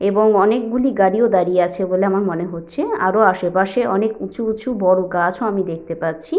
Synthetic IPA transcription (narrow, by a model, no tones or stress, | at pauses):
eboŋɔnek̚ɡuliɡaɽiod̪aɾieat͡ɕʰeboleamaɾmoneɦotːɕʰea̰ɾoaʃepaʃeʔɔnekut͡ɕʰuut͡ɕʰubɔɽokat͡ɕʰoamid̪ek̚ʰt̪epatːt͡ɕʰi